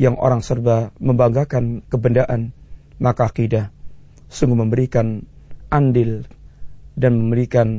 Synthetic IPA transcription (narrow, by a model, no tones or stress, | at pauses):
jaŋʔo̰ɾaŋsərbaməmbaŋɡakankəbəndaʔanmakakidah | suŋɡuhməmbəɾikan | ʔandɪl | danməmbəɾikan